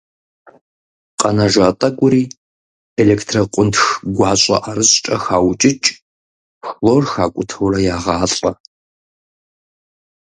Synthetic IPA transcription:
qʼɐnɐʒaːtʼɐɡʷʊɾiː | eleːktʰrɐqʷʼʊntxɡʷɑːɕʼɐ̰ʔaɾɨɕt͡ʃʼɐxaːwt͡ʃʼɪt͡ʃʼ | xloːrxaːkʷʼʊtʰɐwrɐjaːʁaːɬʼɐ

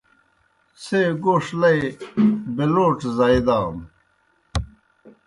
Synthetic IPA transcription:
seɡoːʂlɐj | beloːʈ͡ʂzaid̪aːm

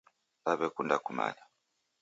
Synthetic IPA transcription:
aβɛkundakuma̰la

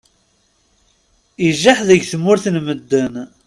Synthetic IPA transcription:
iʒːaħðəʝθəmːʊɾθnməd̪ːən

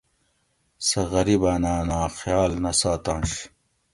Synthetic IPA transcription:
sɐɣɐɾibaːnaːnaːxjaːlnɐsaːt̪ãnɕ

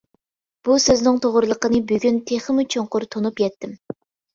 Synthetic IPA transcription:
b̥usøznɪŋt̪ʰoʁɾɨlˠəqənɨbyɡʲynt̪ʰeχəmut͡ʃʰoɴqʊɾt̪ʰonupjɛt̪ʰːɪm

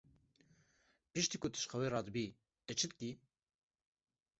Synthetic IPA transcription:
pɨʃt̪iːkʊt̪ɨ̥ʃxɛweːɾɑːd̪bi | ɛt͡ʃʰɨd̪̚ki

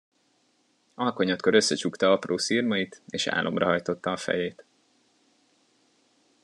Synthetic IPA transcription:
ɒlko̞ɲot̪køɾø̞sːɛt͡ʃukt̪ɒɒproːsiːrmɒjit̪eːʃa̰ːlʔo̞mrɒɦɒjt̪o̞t̪ːɒːfɛ̰jeːt̪

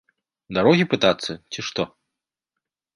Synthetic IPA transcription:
d̪aɾɔɣʲipɨt̪at̪sːɐt͡sʲiʂt̪ɔ

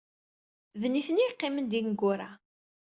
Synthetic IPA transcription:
ðniθəniqːɪmənd̪inɡʊɾa

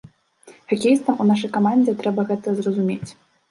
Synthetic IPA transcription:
xakʲejst̪ɐmunaʂɐjkamanʲd͡zʲɛt̪ɾɛbɐɣɛt̪ɐzrɐzumʲet͡sʲ

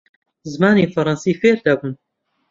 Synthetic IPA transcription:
zɨmaːniːfɐɾɑnsiːfeːɾd̪ɐbun

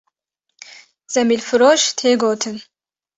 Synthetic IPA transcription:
z̥ɛmilfɾɔʃt̪ʰeːɡot̪ʰən

